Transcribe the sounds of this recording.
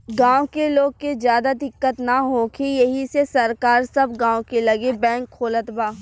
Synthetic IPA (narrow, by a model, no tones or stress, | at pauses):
ɡãːokeloːɡ̚kezjaːd̪ad̪ɪkːət̪naɦokʰijɐɦisesɐɾkaːɾsɐbɡãːõkelɐɡebɛ̃ːŋkʰːoːlət̪baː